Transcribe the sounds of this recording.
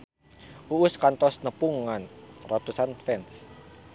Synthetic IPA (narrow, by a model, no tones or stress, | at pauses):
uʊskant̪ɔsnəpuŋːanrat̪usanfɛns